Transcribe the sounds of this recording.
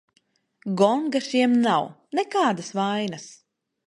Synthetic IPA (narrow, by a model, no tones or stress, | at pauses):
ɡɔŋɡaʃiɛmnaw | nɛkaːd̪asvajnas